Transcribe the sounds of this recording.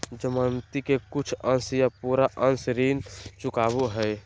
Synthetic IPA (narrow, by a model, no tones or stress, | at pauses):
d͡ʒəmant̪ikekʊt͡ʃʰənsjapuːɾaʔənsɾiːnt͡ʃʊkaːbuɦɛj